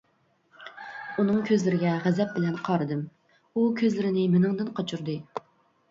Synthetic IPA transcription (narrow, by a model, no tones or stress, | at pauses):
unɨŋkʲʰøzlɪɾɪɡʲɛʁɛzɛp̚bɪlɛnqʰɑɾɨd̪ɨm | ukʲʰøzlɪɾɪnɪmɪnɨŋd̪ɨnqʰɑt͡ʃʰuɾd̪ɨ